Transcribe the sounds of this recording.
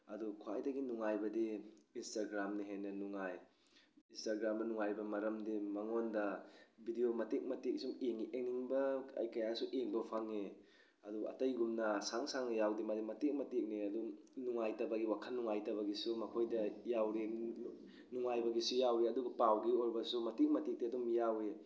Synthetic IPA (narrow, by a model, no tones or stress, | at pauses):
ɐdukʰwa̰jdɐɡinuŋajbɐdiinstaɡɾamniɦenːɐnuŋaj | instaɡɾamdɐnuŋajbɐmɐɾɐmdimaŋondɐbidiomɐtek̚mɐtek̚sumeŋiʔeŋ̚niŋbɐɐ̰jkɐjasuʔeŋbɐpʰaŋːe | ɐdua̰tɐjɡumnɐsaŋsaŋnɐjawdimadimɐtik̚mɐtek̚niɐdunuŋajtɐbɐɡiwakʰanːuŋajtɐβɐɡisumɐkʰojdɐjawɾi | nuŋajbɐɡisujawɾiɐduɡɐpawɡioɾbɐsumɐtik̚mɐtik̚diɐdumjawe